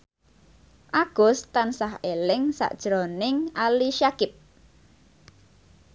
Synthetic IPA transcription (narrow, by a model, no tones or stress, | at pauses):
ʔaɡ̥ʊ̤st̪ansahelɪŋsa̰ʔd̥ʒ̥ɾɔnɪŋaliʃakɪp̚